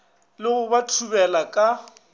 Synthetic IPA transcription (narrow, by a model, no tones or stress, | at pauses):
lɪɣʊbatʰubɛlakʼa